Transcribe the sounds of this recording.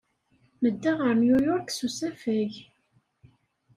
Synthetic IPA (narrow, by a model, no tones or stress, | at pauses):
məd̪ːaʁəɾnjujɔɾksusæfæʝ